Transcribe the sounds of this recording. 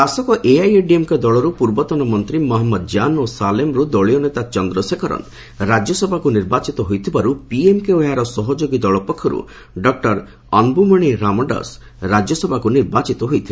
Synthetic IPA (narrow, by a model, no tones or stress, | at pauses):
d̪asɔkɔʔeajeɖiemked̪ɔɭɔɾupuɾbɔt̪ɔnɔmɔnt̪ɾimɔɦɔmːɔd̪d͡ʒanosalemɾud̪ɔɭijɔnet̪at͡ʃɔnd̪ɾɔsekʰɔɾɔ̰n | ɾad͡ʒjɔsɔbʱakuniɾbat͡ʃit̪ɔɦojt̪ʰibaɾupiemkeojaɾɔsɔɦɔd͡ʒoɡid̪ɔɭɔpɔkʰːjɔɾṵ | ɖɔk̚ʈɔɾ | ɔnbumɔɽ̃iɾamɔɖɔ̰s | ɾad͡ʒjɔsɔbʱakuniɾbat͡ʃit̪ɔɦojt̪ʰil